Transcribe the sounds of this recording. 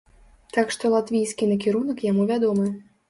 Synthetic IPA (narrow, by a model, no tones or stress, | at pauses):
t̪akʂt̪ɔlˠat̪vʲijsʲkʲinɐkʲiɾunɐkjamuvʲad̪ɔmɨ